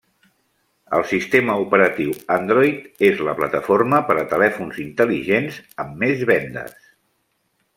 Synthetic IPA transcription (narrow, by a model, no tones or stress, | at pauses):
ə̰lˠsist̪eməupəɾət̪iwənd̪ɾɔjt̪ezləplət̪əforməpəɾət̪əlɛfunzint̪əliʒenzəmːezβɛnd̪ə̰s